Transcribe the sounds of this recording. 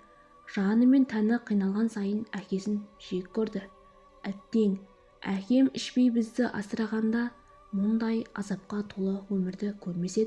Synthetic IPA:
ʒ̥ɑnəme̞nt̪ʰænɪqʰijnɑlˠʁɑnsɑjənækʲe̞sɪnʒ̥iɪp̚ʲkʲʰːɵɾd̪ɪ | æt̪ːe̞ŋ | ækʲe̞mɪʃpe̞jbɪzd̪ɪʔɑ̰səɾɑʁɑnd̪ɑ | mʊnd̪ɑjɑ̰zɑp̚qɑt̪ʰolˠəwɵmɪɾd̪ɪkʲʰɵɾme̞se̞d̪ɪ

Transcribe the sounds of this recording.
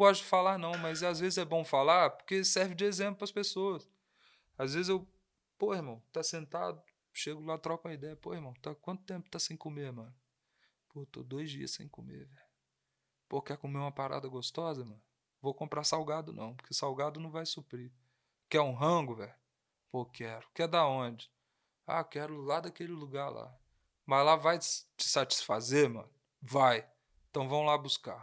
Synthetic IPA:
ɡɔsʊd͡ʒɪfalaɾnɐ̃w̃mɐzazvezɪzɛbõw̃falaɾpoɾkesɛɾvɪd͡ʒɪezẽplʊpɾɐspesoɐs | azvezɪzew | poehmɐ̃w̃t̪asẽnt̪a̰d̪ʊ | ʃeɡʊlat̪ɾɔkʊɐid̪ɛjɐpoheɾmɐ̃w̃t̪akwɐ̃nt̪ʊ̥t̪ẽpʊt̪asẽj̃komeɾmɐ̃nʊ | pot̪o̰d̪ojzd͡ʒḭɐ̰ssẽj̃komḛɾvɛʎʊ | pokɛɾkomeũmɐpaɾa̰d̪ɐɡost̪ɔzɐmɐ̃nʊ | vowkõmpɾaɾsawɡad̪ʊnɐ̰̃w̃pʊɾkeɪsawɡad̪ʊnɐ̃w̃vajsupɾi | kɛũɦɐ̃ɡʊvɛʎʊ | pokɛɾʊkɛd̪aõd͡ʒɪ̥ | a̰kɛɾʊlad̪ɐkelɪluɡaɾla̰ | mɐazlavajt͡ʃɪ̥sat͡ʃi̥sfazeɾmɐ̰̃nʊvaj | ẽt̪ɐ̃w̃vɐ̃w̃labuska̰ɾ

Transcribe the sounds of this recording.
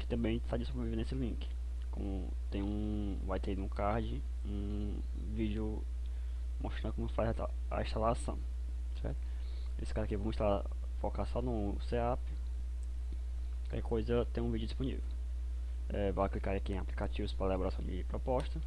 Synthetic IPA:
kɪ̥t̪ɐ̃mbẽj̃sajd͡ʒɪsobɾeviveɾnesɪlĩkɪ̥ | kõ̰mʊ̰ | t̪ẽj̃ũ | vajt̪eĩũkaɾd͡ʒɪ | ũ | vid͡ʒiʊ | moʃt̪ɾɐ̃d̪ʊkõmʊfajza | a̰ĩʃt̪alasɐ̰̃w̃ | sɛ̰ɾt̪ʊ̥ | esɪ̥kazɐkɪvɐ̃w̃ĩʃt̪ala | fokasãnũ | seapɪ | ka̰kɛkojzɐt̪ẽj̃ũvid͡ʒʊd͡ʒisponḭvew | ɛvajaklikaɾakiẽaplikat͡ʃivʊspɾalabɔɾasɐ̃w̃d͡ʒɪpɾɔpɔʃt̪ɐ

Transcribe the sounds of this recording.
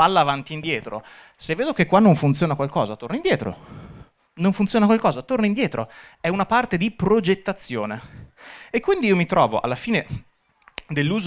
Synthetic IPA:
alːaːvant̪iːnd̪jɛːt̪ɾo̰ | sevːeːd̪ok̟ekːwanːoɱfunt̪sjoːnakwalkɔ̰ːzat̪ornoind̪jɛːt̪ɾo̰ | noɱfunt̪sjoːnakwalkɔːzat̪ornoind̪jɛːt̪ɾoɛunapart̪ed̪ipɾod͡ʒet̪ːat̪sːjoːne | ekːwind̪iiːomit̪ɾɔ̰ːvo̰ʔa̰lːafiːne | d̪elːuːz

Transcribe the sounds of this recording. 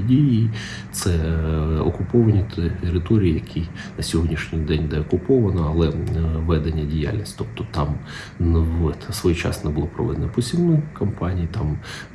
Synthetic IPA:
dʲiji | t̪sɛɔ̰kʊpɔʋɐnʲit̪eɾɪt̪ɔɾʲijijɐkʲʰinɐsʲɔɦɔdʲnʲiʃnʲɪjd̪ɛnʲd̪ɛɔkʊpɔʋɐnɔɐlˠɛʋɛd̪enʲːɐdʲija̰lʲnʲisʲtʲt̪ɔp̚t̪ɔt̪ɑm | nwsʋɔjt͡ʃɑ̰snɛbʊlˠɔpɾɔ̰ʋɛ̰d̪enɛpɔsʲimnɔkɐmpɑnʲijit̪ɑm

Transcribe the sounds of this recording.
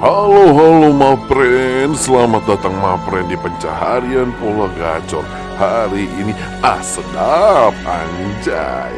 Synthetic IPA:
haloɦalomapɾɛnsəlamat̪̚dat̪aŋmapɾɛndipəɲt͡ʃa̰ɦaɾianpulaɡat͡ʃɔ̰r | haɾiʔːni | ʔahsədap̚a̰ɲd͡ʒa̰j

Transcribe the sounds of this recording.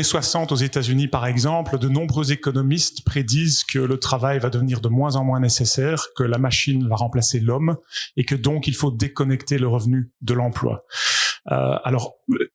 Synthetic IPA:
eswasɑ̃t̪ozet̪azynipaʁɛɡzɑ̃pləd̪ənɔ̃bʁøzekɔnɔmist̪pχed̪iːzkʰələt̪χavajvad̪əvəniːʁd̪əmwɛ̃zɑ̃mwɛ̃nesesɛːʁkəlamaʃinvaʁɑ̃plaselɔmekəd̪ɔ̃kilfod̪ekɔnɛkt̪eləʁəvnyd̪əlɑ̃plwa̰ | ə̰a̰lɔːʁ

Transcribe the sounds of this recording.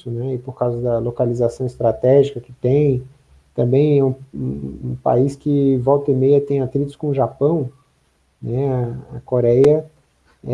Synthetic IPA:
ʊnɛɪpoɾkawzɐd̪ɐlokalizasɐ̃w̃ɪst̪ɾat̪ɛʒikɐkɪ̥t̪ẽj̃ | t̪ɐ̃mbẽj̃ɛũ | ũpa̰iskɪvɔwt̪ɪmejɐt̪ẽj̃at̪ɾit̪ʊɪskõʒapɐ̃w̃ | nɛɐɐkoɾɛjɐ | ɛ

